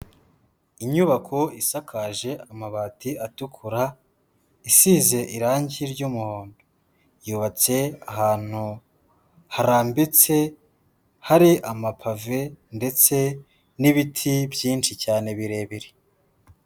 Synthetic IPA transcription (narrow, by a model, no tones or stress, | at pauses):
iɲuβakʰoisakʰaʒe̞ʔamaβaːtiʔatukʰuɾa | isiːze̞ʔiɾaːɲɟiɾɟumuho̞ːndo̥ | juβat͡se̞aɦaːn̥hu | haɾaːmbit͡se̞ | haɾiʔamapʰave̞nde̞t͡se̞ | niβitʰibjiːnt͡ʃicaːne̞βiɾe̞ːβiɾe